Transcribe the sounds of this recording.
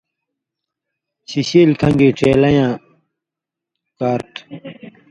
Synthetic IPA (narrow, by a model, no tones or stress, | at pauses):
ɕiɕiːlkʰɐ̃ŋɡiːʈ͡ʂeːlɐjãː | kaːɾʈ